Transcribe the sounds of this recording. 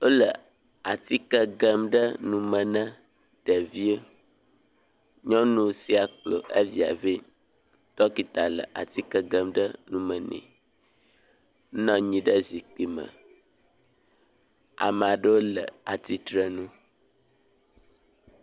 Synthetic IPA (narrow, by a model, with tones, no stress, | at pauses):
o˦lə˨ | a˨t̪i˦kə˦ɡə˦mɖə˦nũ˨mə̃˨nə̃˦ | ɖ̥ə˨vi˦ə˦ | ɲɔ̃˦nũ˨si˦a˨k͡plo̰˨ʔḛ˦vi˦˨a̰˨ve˦ | t̪ɔ˦ki˨t̪a˨lə̰˨ʔa̰˨t̪i˦kə˦ɡə˦mɖə˦nũ˨mə̃˨nɛ̰̃˨˦ | nɔ̃˦ɲĩ˨ɖə˦zi˨k͡pi˦mə̰̃˨ | a̰˨mã˨ɖə˦wo˦lə̰˨a˨t̪i˦t̪ɾə˦nũ˦